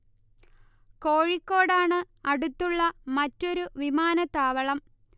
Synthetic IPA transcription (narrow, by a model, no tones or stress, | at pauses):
koːɻikːo̞ːɽaːɳɨ | ɐɽut̪ːuɭːɐmɐtːo̞ɾuʋimaːnɐt̪aːʋɐɭɐm